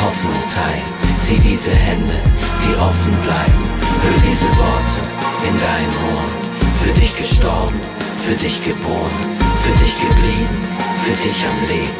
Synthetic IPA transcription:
hɔfnʊŋtʰaɪl | z̥iːdiːzəhɛndə̰d̥iːʔɔfn̩blaɪbm̩fyːɐdiːzəvɔɐtʰə | ʔɪndaɪnəmʔoːɐn | fyːɐdɪçɡ̥əʃtɔɐbm̩ | fyːɐdɪçɡ̥əboːʁənfyːɐdɪçɡ̥əbliːbn̩ | fyːɐdɪça̰mveː

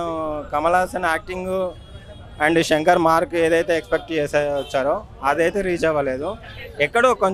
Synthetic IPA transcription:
kɐmɐlaːsɐnaːk̚ʈiŋɡ | ɐɳɖʃɐŋkɐɾmaːɾkueːd̪ɐjt̪e̞ːekspek̚ʈt͡ʃeːseɐt͡ʃːaːɾo | ɐd̪ɐjt̪e̞ːɾiːd͡ʒɐʋɐleːd̪u | ɛkːɐɽukoɲ

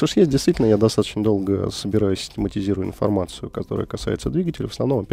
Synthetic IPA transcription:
t̪oʂjesʲt̚ʲdʲɪjst̪vʲitʲɪlʲnəjad̪ɐst̪at̪ə̥t͡ɕnəd̪o̞lˠɡəsəbʲɪɾajʊsʲɪ̥tʲɪmətʲɪzʲiɾʊjʊɪ̰nfɐ̰rmat̪sɨjʊkɐt̪o̞ɾə̰jə̰kɐsa̰jɪt̪səd̪vʲiɡətʲɪlʲɪvəsnɐvno̞mɐpʲ

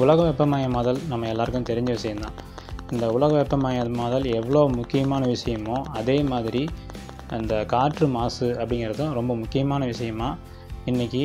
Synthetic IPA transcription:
ʊlɐɣɐʋɛpːɐmaːjɐmɐːðɐlnɐmːɐɛlːaːɾɯkːɯ̃mt̪ɛɾɪɲd͡ʒɐʋɪʂɐjɐnd̪ã̰ː | ɪnd̪ɐʊɭɐɣɐʋɛpːɐmaːjɐmaːðɐlɛʋːɐɭoːmʊkːɪjɐmaːnɐʋɪʂɐjɐmõːɐðeːmaːðɪɾi | ɐnd̪ɐkaːɾʈrɯmaːsɯɐpːɐɽɪŋɡɪɾɐðɐ̃ɾɔmbɐmʊkːɪjɐmaːnɐʋɪʂɐjɐmaː | ɪnːɪkʲːi

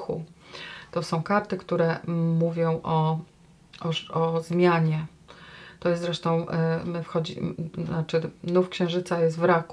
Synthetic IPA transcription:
xṵt̪ɔsɔ̃w̃kaɾt̪ɘkt̪uɾɛmuvʲjɔ̃w̃ʔɔ | ɔɔzmʲjaɲɛ | t̪ɔjɛst̪zɾɛʂt̪ɔ̃w̃mɘfxɔd͡ʑḭnat͡ʂɘnufkɕɛ̃w̃ʐɘt̪sajɛst̪vɾaku

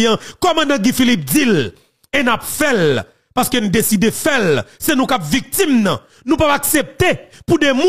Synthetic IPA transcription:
jãkɔmãdãɡĩfilip̚d͡zil | enapfɛl | paskønũd̪esid̪efɛlsenũkapvik̚t̪imnɐ̰̃ | nũpapaksep̚t̪epudɛmũ

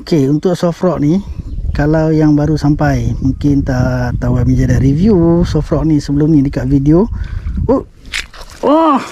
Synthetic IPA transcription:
okeunt̪ʊʔsɔfrɔʔnikalawjaŋbaɾusampajmuŋkɪnt̪at̪awaʔ̚məɲd͡ʒadaɾivjusɔfrɔʔnisəbəlʊmnidəkaʔvidiouʔ | ɔh

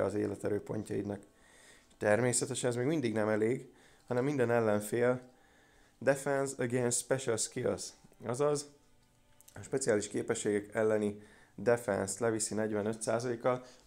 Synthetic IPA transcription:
ɒzeːlɛt̪ɛɾøːpo̞̰ɲcɒid̪nɒk | ʃt̪ɛrmeːsɛt̪ɛʃɛnɛzmeːɡmind̪iɡnɛmɛleːɡ | hɒnɛmːind̪ɛnɛlːɛɱfeːl | d̪ɛfɛnsɛɡeːnspɛʃɛlskiɒ̰sɒzɒz | ɒʃpɛt̪sijaːliʃkeːpɛʃːeːɡɛkɛlːɛni | d̪ɛfɛ̰nst̪lɛvisinɛɟvɛnø̞t̪saːzɒleːkːɒl

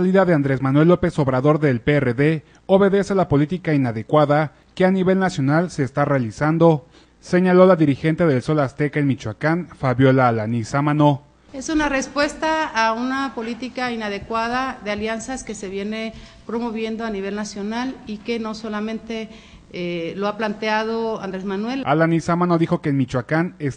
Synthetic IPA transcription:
aliðaðeand̪ɾe̞zmanwe̞lːo̞pe̞so̞βɾaðo̞ɾðe̞lpereðe̞ | o̞βe̞ðe̞selapo̞lit̪ikainaðe̞kwaða | ke̞aniβe̞lnasjo̞nalse̞ːst̪arealisand̪o̞ | se̞ɲalo̞laðiɾixe̞nt̪e̞ðe̞lso̞last̪e̞kenmit͡ʃwakanfaβjo̞laːlanisamano̞ | e̞sunare̞spwe̞st̪aːunapo̞lit̪ikainaðe̞kwaðaðealjansaske̞se̞βje̞ne̞ | pɾomo̞βje̞nd̪oaniβe̞lnasjo̞nalike̞no̞so̞lamẽ̞nt̪e̞ | loaplant̪eaðo̞and̪ɾezmanwe̞lalanisamãnoðixo̞keːlmit͡ʃwakanes

